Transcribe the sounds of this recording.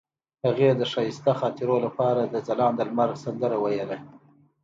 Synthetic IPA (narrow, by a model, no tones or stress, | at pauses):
haɣed̪əʂɑjɪst̪axɑt̪ɪɾolapɑɾad̪əzalɑnd̪əlmaɾɣsand̪əɾawajela